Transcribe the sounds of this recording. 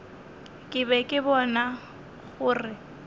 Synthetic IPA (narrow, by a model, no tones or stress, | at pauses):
kʼɪbɛkʼɪbɔna | ɣʊːrɪ